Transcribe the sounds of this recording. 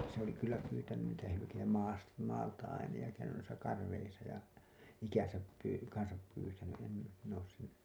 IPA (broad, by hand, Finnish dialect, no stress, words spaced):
se oli kylːæ pyːtænyn niːtæ hylykeitæ mɑːs mɑːltɑ ɑinɑ jɑ kæynyn nuisɑ kɑrːeisɑ jɑ ikæn̞sæp pyː kɑnsɑp pyːtæny em min oːs sen